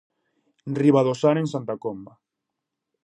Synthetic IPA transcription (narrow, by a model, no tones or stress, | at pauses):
riβaðosaneŋsant̪akomba